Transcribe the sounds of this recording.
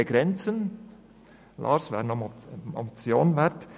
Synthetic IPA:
eɡ̥ɾɛnt͡sən | lʔɑ̰ːɾsʋɛ̰ːɾnɔmɔ̰mt͡sjoːnvɛɾt

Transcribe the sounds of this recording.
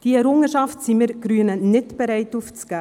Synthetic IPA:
d̥iɛɾʊŋəʃɑftsimɪɾɡ̥ɾyənənɪtb̥ɛɾɛɪtuft͡sɡ̥aː

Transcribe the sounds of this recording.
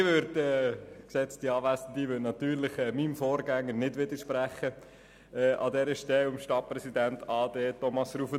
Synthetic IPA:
ʋøɾdɛːksɛt͡stiɑːʋæsən̩d̪iʋøtnɑt̪yːɾlɪχɛːmimfɔːɾɡæŋːənɪdʋɪd̪əɾʃpɾæχːə | ɛːʔɑ̰d̪ɛɾəʃtɛlʊmʃtɑt̚prɛsid̪æntɑːdeːtɔmɑsrufə

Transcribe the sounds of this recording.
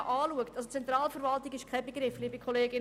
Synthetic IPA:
ʔɑːluəktɑlsot͡sɛnt̪ɾɑːlfəɾvɑltɪɡɪʃkʰɛbeɡɾɪfliːbəkʰɔleːɡɪn

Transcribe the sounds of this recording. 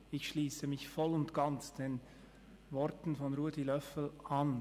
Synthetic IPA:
ɪçʃliːsəmɪçfɔlʊntɡ̥ant͡sd̥en | vɔɾtn̩fɔnɾuədilœfl̩an

